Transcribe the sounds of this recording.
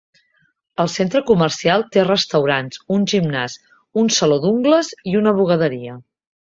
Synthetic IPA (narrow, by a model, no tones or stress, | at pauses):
əlˠsent̪ɾəkumərsialˠt̪erəst̪əwɾanzunʲʒimnaz | unsəloðuŋɡləziunəβ̞uɣ̞əðəɾiə